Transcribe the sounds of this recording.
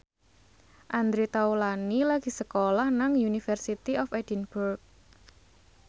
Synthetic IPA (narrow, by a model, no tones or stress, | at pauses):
ʔand̪ɾet̪aulanilaɡ̥i̤səkolahnaŋjunifərsit̪iɔfɛdinburk̚